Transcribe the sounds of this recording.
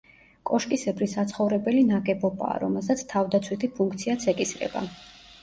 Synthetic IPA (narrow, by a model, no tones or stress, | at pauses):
kʼɔʃkʼisɛbɾisat̪sʰχɔvɾɛbɛlinaɡɛbɔbʼa̰ːɾɔmɛlˠsat̪sʰt̪ʰavd̪at̪sʰwit̪ʰipʰuŋk̚ʰt̪sʰiat̪sʰɛkʼisɾɛ̰ba̰